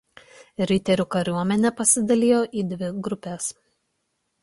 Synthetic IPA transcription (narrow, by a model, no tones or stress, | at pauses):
ɾʲɪt̪ʲɛɾʲuːkɐɾʲuɔmʲɛnʲɛpɐsʲɪd̪ɐlʲɪːjoːʔiːd̪ʲʋʲɪɡɾʊpʲeːs